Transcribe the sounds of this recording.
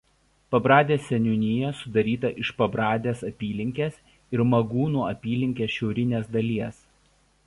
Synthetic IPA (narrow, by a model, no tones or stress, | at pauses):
pɐbɾɑːd̪ʲeːsʲɛnʲʊnʲɪjɛsʊd̪ɐɾʲiːt̪ɐʔɪʃpɐbɾɑːd̪ʲeːsɐpʲiːlʲɪŋʲkʲeːs | ɪɾmɐɡuːnuːɐpʲiːlʲɪŋʲkʲeːsʃʲɛʊɾʲɪnʲeːsd̪ɐlʲiɛs